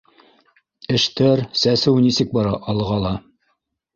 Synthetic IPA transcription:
ɘ̆ʃt̪æɾsæsɘwnisɘk̚bɑɾɑʔɑlˠʁɑlˠɑ

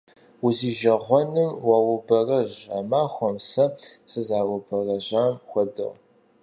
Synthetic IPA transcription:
ʊziːʒɐʁʷɔnɨmwawʊbɐrɐʑa̰maːxʷɔmsɐsɨzaːwʊbɐrɐʑaːmxʷɔdɨ̰ʁ

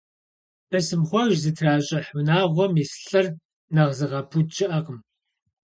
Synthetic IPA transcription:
b̥ɐsɨmχʷɔʒzɨtʰraːɕʼɐħʊnaːʁʷɔmisɬʼɐr | nɐʁzɨʁɐpʰut͡ʃʼɪʔɐqəm

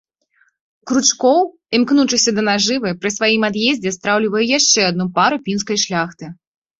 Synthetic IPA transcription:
kɾut͡ʂkɔw | imknut͡ʂɨsʲɐd̪ɐnaʐɨvɨpɾɨsvajimad̪jezʲd͡zʲɛst̪ɾawlʲivɐjɛjaʂt͡ʂɛad̪̚nupaɾupʲinskɐjʂlʲaxt̪ɨ

